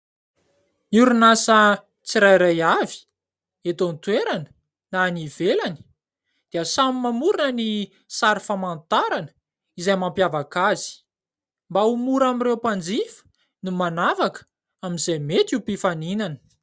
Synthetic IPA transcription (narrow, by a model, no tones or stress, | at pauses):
niuɾunasə | t͡siɾajɾajavi̥ | et̪ont̪weɾanə̥ | nanivelani̥ | d̪̥iəsamimamuɾinəni | saɾifamant̪aɾanə | izajmampjavakazi̥ | mbaumuɾamirewpand͡zifə̥ | numanavakə̥ | aminzajmet̪upifaninanə̥